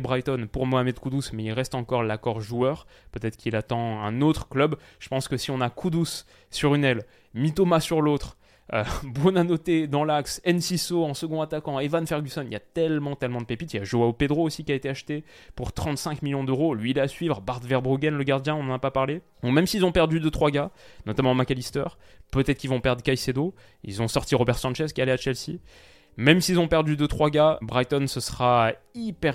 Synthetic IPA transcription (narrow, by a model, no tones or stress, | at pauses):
bʁajt̪ɔnpuʁmoamɛd̪kud̪usmɛilʁɛst̪ɑ̃kɔʁlakɔʁʒuœʁ | pøt̪ɛt̪χkilat̪ɑ̃ɛ̰̃not̪χəklœb | ʒ̥ə̥pɑ̃skəsiɔ̃nakʰud̪usː | yʁynɛl | mit̪omasyʁlot̪χ | øbonanɔt̪ed̪ɑ̃laksɛnsisoɑ̃səɡɔ̃at̪akɑ̃evanfɛʁɡʲysɔniljat̪ɛlmɑ̃t̪ɛlmɑ̃d̪əpepit̪iljaʒoaoped̪ʁoosikʲiaet̪eaʃt̪e | puʁt̪χɑ̃t̪sɛ̃kmiljɔ̃d̪øʁolɥiːlɛasɥivʁbaʁd̪vɛʁbʁuɡʲɛnləɡaʁd̪jɛ̃ɔ̃nɑ̃napapaʁle | ɔ̃kmɛmsilzɔ̃pɛʁd̪yd̪øt̪χwaɡanɔt̪amɑ̃makalist̪œʁ | pøt̪ɛt̪χəkilvɔ̃pɛʁd̪ʁəkajsed̪o | ḭlzɔ̃sɔʁt̪iʁɔbɛʁsɑ̃nt͡ʃɛz̥kʲialɛat͡ʃɛlsḭ | mɛmsilzɔ̃pɛʁd̪yd̪øt̪χwaɡʲabʁajt̪ɔnsəsəχaipɛʁ